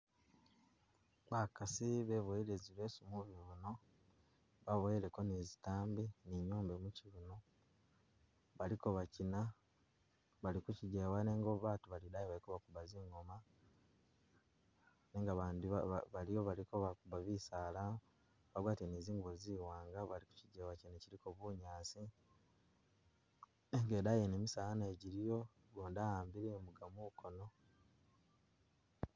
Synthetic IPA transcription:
βakasiβeβoiɾeziβe̞ːsumuβiβuno̞ | βaβoiɾeko̞nizitaːmbiniɲoːmbemuciβuno | βalikoβacina | βalikuciɟewaneːŋɡoβaːtuβalidajeβaikoβakuβaziːŋɡo̞ma | neːŋɡaβaːndiββalijoβalikoβakuβaβisaːla | βaɡwaːteniːziːŋɡuβoziːwaːŋɡaβaliku̥ciɟewacineciɾiko̞βuːɲaːsi | eŋɡeːdajenemisaːaneɟiɾijo̞ | ɡoːndahaːmbiɾemuɡamukʰono̞

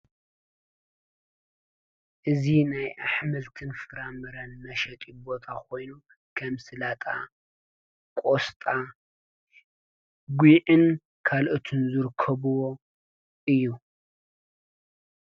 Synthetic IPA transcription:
ʔɨzinajʔaħmɨlt̪ʰɨnfɨɾamɨɾɐnmɐʃɐt̪ʼibo̞t̪ʰakʰo̞jnu | kʰɐmsɨlat̪ʼa̰ | kʼost̪ʼa | ɡʷiʕɨn | kʰalʔot̪ʰɨnzɨɾkʰɐβuwo | ʔɨjːu

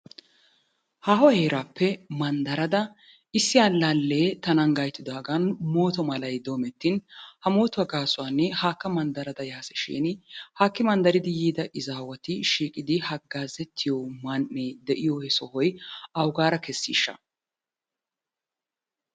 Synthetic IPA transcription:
haːɦɔhe̞ːɾaːpːɛmɐnd̪ɐɾɐd̪ɐ | ɪsːɪjaːlːalːeːt̪ɐnɐnɡɐjt̪ːɪd̪aːɡɐnmo̞ːt̪ɔmɐlɐjd̪o̞ːmɛt̪ːɪnhɐmo̞ːt̪ʊwɐɡaːsʊwaːnːɛhaːkːɐmɐnd̪ɐɾɐd̪ɐjaːsɛʃɛ̰ːnhaːkːɪmɐnd̪ɐɾɪd̪ɪjiːd̪ɐʔɪzaːwɐt̪ɪʃiːkʼɪd̪ɪhɐɡːaːzɛt̪ʰːɪjɔmɐnʔeːd̪ɛʔɪjɔhɛsɔhɔjɐwʊɡaːɾɐkɛsːḭːʃːɐ̰

